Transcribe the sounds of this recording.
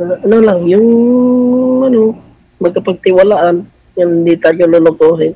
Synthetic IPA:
ʔɐnolaŋjʊŋ | ano | mɐɡkapaɡ̚t̪ɪwalaʔan | jand̪ɪt̪aljololʊkoɦɪn

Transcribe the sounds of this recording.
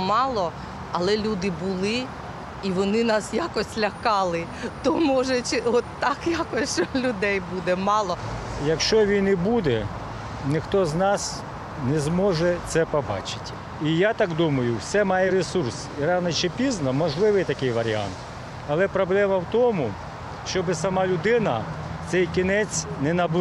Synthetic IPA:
mɑlˠɔ | ɐlˠɛlʲud̪ɪbulˠɪ | iʋɔnɪnɑsjakɔsʲlʲɐkɑlˠɪ | t̪ɔmɔʒɛt͡ʃɪɔt̪ːɑkjakɔsʲt͡ʃɔlʲʊd̪ɛjbud̪ɛmɑlˠɔjɐkʃt͡ʃɔʋʲijnɪbud̪ɛ | nɪxt̪ɔznɑs | nɛzmɔʒɛt̪sɛpɔbɑ̰t͡ʃɪ̥tʲ | ijat̪ɑɡd̪umɐjʊwsɛmɑjɛɾesursiɾɑwnɐt͡ʃɪpʲiznɐmɔʒlˠɪʋɪjt̪ɐkɪjʋɐɾʲia̰nt̪ | ɐlˠɛpɾɔblˠɛmɐwt̪ɔmʊ | ʃt͡ʃɔbɪsɐmɑlʲʊd̪ɪnɐ | t̪sɛjkʲinɛt͡sʲnɛnɐb

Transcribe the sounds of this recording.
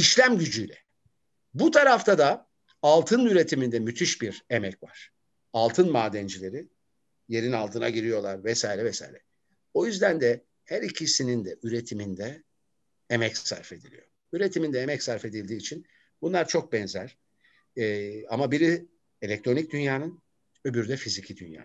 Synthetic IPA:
iʃlʲæmɟyd͡ʒyjlʲɛ | but̪ʰaɾaft̪ʰad̪a | alˠt̪ʰɯnyɾe̞t̪ʰimind̪ɛmyt̪ʰyʃbiɾemɛcva̰ɾ̥ | alˠt̪ʰɯnmaːd̪ɛnd͡ʒilʲe̞ɾi | je̞ɾinalˠt̪ɯna̰ɟiɾijo̞lˠaɾvɛsaːiɾɛvɛsa̰iɾɛ | o̞jyzd̪ænd̪ɛ | hæɾicʰisinind̪ɛʔyɾe̞t̪ʰimind̪ɛ | emɛcsæ̰ɾfe̞d̪ilʲḭjo̞ | yɾe̞t̪ʰimind̪ɛemɛcsaɾfe̞d̪ilʲd̪iːt͡ʃʰin | bunlˠaɾt͡ʃʰo̞k̚bɛnzæɾ̥ | amabiɾi | e̞lʲɛc̚t̪ʰɾo̞nic̚d̪ynjaːnɯn | ø̞byɾd̪ɛfizicʰid̪ynja̰ː

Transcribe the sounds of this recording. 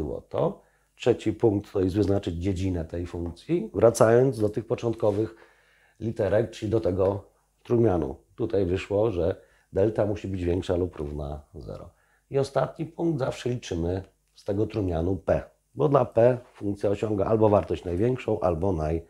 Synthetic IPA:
wɔ̰t̪ɔ | tʂɛt͡ɕipuŋk̚t̪ːɔjizwɘznat͡ʂɘd͡ʑd͡ʑed͡ʑinɛt̪ɛjfuŋkt̪sʲjivɾat̪sajɔnd̪zd̪ɔt̪ɘxpɔt͡ʂɔnt̪kɔvɘx | lʲit̪ɛɾɛk̚t͡ʂɘlʲid̪ɔt̪ɛɡɔ | t̪ɾumʲjanṵt̪ut̪ajvɘʂwɔʐɛ | d̪ɛlt̪amuɕibɘd͡ʑvʲjɛŋkʂalupːɾuvna̰zɛ̰ɾɔ̰ | iɔst̪at̪̚ɲipuŋɡ̚d̪zafʂɛlʲit͡ʂɘmɘ | st̪ɛɡɔt̪ɾumʲjanupɛ | bɔd̪lapɛfuŋkt̪sʲjaɔɕɔŋɡaʔalbɔvaɾt̪ɔɕt͡ɕnajvʲjɛŋkʂɔ̃w̃ʔa̰lbɔnaj

